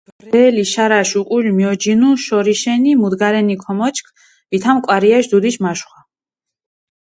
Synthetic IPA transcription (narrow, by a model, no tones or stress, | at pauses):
bɾɛːliʃaɾaʃuqʼulʲmiɔd͡ʒinuʃɔɾiʃɛnimud̪ɡaɾɛnikʰɔmɔt͡ʃʰʼkʰ | vit̪ʰamkʼwaɾiaʃd̪ud̪iʃmaʃχwa